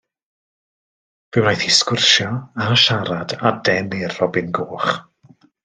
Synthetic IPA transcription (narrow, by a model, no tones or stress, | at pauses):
v̥ɪwnajθiskʊrʃjɔaʃaɾadadɛnirːɔbɪnɡoːχ